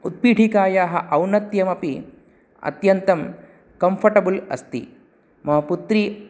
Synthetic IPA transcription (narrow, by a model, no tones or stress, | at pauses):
ut̪̚piːʈʰikaːjaːɦɐʔɐwnɐt̪jɐmɐpi | ɐ̰t̪jɐnt̪ɐm | kɐmpʰɐʈɐbulɐ̰st̪ḭ | mɐɦɐput̪ɾiː